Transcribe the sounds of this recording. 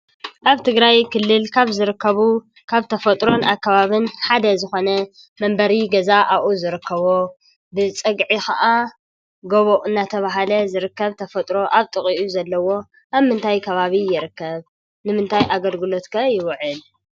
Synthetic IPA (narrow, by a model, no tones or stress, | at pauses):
ʔaβt̪ʰɨɡɾajkʰɨlːɨlkʰaβzɨɾɨkːɐβu | kʰaβt̪ʰɐfɐt̪ʼɾo̞nʔakʰːɐβaβɨnħad̪ɐzɨxo̞nɐ | mɐmbɐɾiɡɐzaʔaʔuzɨɾɨkʰːɐβo | bɨt͡sʼɨɡʕixa̰ʔa | ɡoβoʔɨnːat̪ʰɐβaɦalɐzɨɾɨkːɐβt̪ʰɐfɐt̪ʼɾo̞ʔaβt̪ʼɨχʼiʔuzɐlːɐwo̞ | ʔaβmɨnt̪ʰajkʰɐβaβijɪɾɨkːɐβ | nɨmɨnt̪ʰajʔaɡɐlɡɨlo̞t̪kʰɐjɪwʕɨl